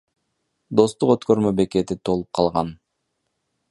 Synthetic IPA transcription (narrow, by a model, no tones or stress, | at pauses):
d̪o̞st̪uqø̞t̪kø̞ɾmø̞be̞ke̞t̪it̪ʰo̞lˠup̚qʰɑlˠʁɑn